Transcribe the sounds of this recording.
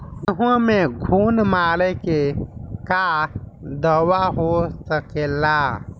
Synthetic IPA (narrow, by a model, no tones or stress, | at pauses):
əɦũmẽɡʱuːnmaːlekeka | d̪əwaɦosəkeːlaː